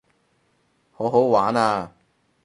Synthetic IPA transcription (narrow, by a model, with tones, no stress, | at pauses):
ho˨˥wɦo˨˥wwaː˨˥naː˧